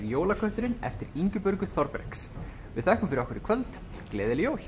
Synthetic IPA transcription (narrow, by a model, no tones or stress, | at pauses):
ɾjoːwlakʰœht̪ʏɾɪnɛ̰ft̪ɪɾiɲcʏpʏɾkʏθɔɾpɛ̰ɾ̥ks | vɪðθɛhkʏmfɪɾɔhkvɪɾɪɾkʰvœlt̪ | klɛːðɪljoːwl